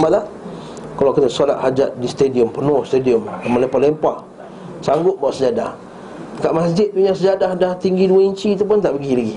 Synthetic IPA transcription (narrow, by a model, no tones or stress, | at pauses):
malah | kalakit̪əsala̰ʔ̪had͡ʒat̪̚dist̪ediəmpənʊhst̪ediəmkamalempalempah | saŋɡʊt̪̚baaʔsəd͡ʒada̰h | kaʔmasd͡ʒɪt̪̚puɲasəd͡ʒadahdaht̪iŋɡiduaiɲt͡ʃit̪̬up̬ʊnt̪aʔpəɡilaɡi